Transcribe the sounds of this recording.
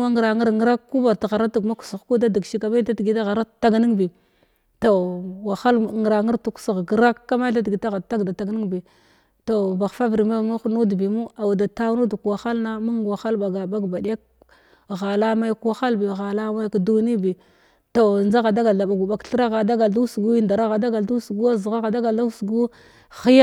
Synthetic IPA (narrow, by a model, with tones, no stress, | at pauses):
a˦ŋ˨ɾa˨ŋə˦ɾŋ˦ɾa˦kku˦ba˨ɾta˨ɣa˨ɾa˦tu˨ɡma˦ku̥˨su˨xku˦da˦di˨ɡʃi˦ka˨ma˦ta˦tɡi˨da˦ɣa˨ɾa˦˨ta˦ɡni˦ŋbi˨ | to˨wa˨xa˦lŋ˨ɾa˨ŋi˦ɾtu˨ku̥˦si˨ɣɡɾa˦kːa˦ma˦a˦di˨ɡi˨ta˦ɣa˨ta˦ɡda˨ta˨ɡni˦ŋbi˨ | to˨ba˨xfa˦vɾi˨ma˦˨mu˦u˦nu˦dbi˨mu˦a˨wda˨ta˦nu˦du˨kwa˨xa˦lna˦mu˦ŋɡwa˨xa˦lba˨ɡa˨ba˦ɡba˨di˦ja˦k | ɣa˨la˦ma˦jkwa˦xa˦lbi˨ɣa˨la˦ma˦jkdu˦ni˦bi˨ | to˨nd͡ʒa˦ɣa˨da˦ɡa˨ɮa˨ɓa˨ɡu˨ba˨kɬə˦ɾa˦ɣa˨da˦ɡa˨du˦sɡu˦i˦nda˨ɾa˦ɣa˨da˦ɡa˨du˦su˨ɡu˦a˦zɣa˦ɣa˨da˦ɡa˨a˦su˨ɡu˦ | xi˦ja˦